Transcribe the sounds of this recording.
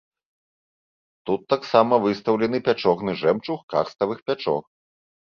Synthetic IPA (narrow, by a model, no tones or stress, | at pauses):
t̪ut̪ːaksamɐvɨst̪ɐwlʲɛnɨpʲat͡ʂɔɣnɨʐɛmt͡ʂuxka̰rst̪ɐvɨxpʲat͡ʂɔ̰x